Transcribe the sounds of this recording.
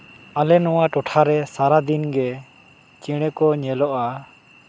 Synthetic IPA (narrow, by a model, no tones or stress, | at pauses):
alɛnɔwaʈɔʈʰaɾɛsaɾad̪inɡɛ | t͡ʃiɽ̃ɛkɔɲɛlɔʔa